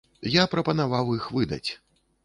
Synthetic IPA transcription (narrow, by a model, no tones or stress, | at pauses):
japɾɐpɐnavawixvɨd̪ɐ̰t͡sʲ